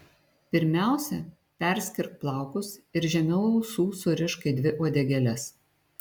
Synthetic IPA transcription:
pʲɪɾʲmʲæˑʊsʲɛ | pʲɛˑɾʲsʲkʲɪɾk̚plˠɑˑʊkʊsɪɾʒʲɛmʲɛlˠːsuːsʊɾʲɪʃkɐɪd̪ʲʋʲɪʔuɔd̪ʲɛɡʲɛlʲɛs

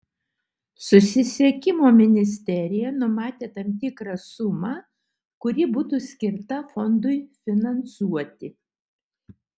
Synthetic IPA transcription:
sʊsʲɪsʲiɛkʲɪmoːmʲɪnʲɪsʲt̪ʲɛɾʲɪjɛnʊmɑːt̪ʲeːt̪ɐmʲt̪ʲɪkɾɑsʊmɑː | kʊɾʲiːbuːt̪uːsʲkʲɪɾt̪ɐfɔnd̪ʊɪfʲɪnɐnsuɔt̪ʲɪ

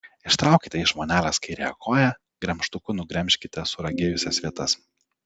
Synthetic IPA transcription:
ɪʃt̪ɾɑˑʊkʲɪt̪ʲɛɪʒmoːnʲæːlʲɛskɐɪɾʲɛɛkʰoːjɛ | ɡ̥ɾʲɛmʃt̪ʊkʊnʊɡɾʲɛmʲʃʲkʲɪt̪ʲɛsʊɾɐɡʲeːjʊsʲɛsʋʲiɛt̪ɐs

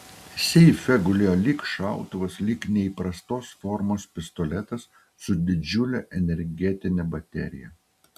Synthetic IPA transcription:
sʲɛɪfʲɛɡʊlʲeːjoːlʲikʃɑˑʊt̪ʊʋɐslʲiːknʲɛiːˑpɾɐst̪oːsfɔɾmoːspʲɪst̪ɔlʲɛt̪ɐsː | ʊd̪ʲɪd͡ʒʲʊlʲɛʔɛnʲɛɾʲɡʲɛt̪ʲɪnʲɛbɐt̪ʲɛ̰ɾʲɪ̰jɛ̰

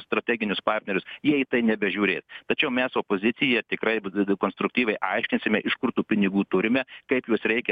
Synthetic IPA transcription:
st̪ɾɐt̪ʲæːɡʲɪnʲʊspɑːrʲt̪ʲnʲɛɾʲʊsjiɛiːt̪ɐɪnʲɛbʲɛʒʲuːɾʲeːst̪ɐt͡ʃʲɛʊmʲɛsoːpoːzʲɪtt͡s̪ʲɪjɛt̪ʲɪkɾɐɪkoːnst̪ɾʊk̚t̪ʲiːʋʲɛɪʔɐɪʃʲkʲɪnʲsʲɪmʲɛʔɪʃkʊɾt̪uːpʲɪnʲɪɡuːt̪ʊɾʲɪmʲɛkɐɪpjuɔsɾʲɛɪkʲɛ

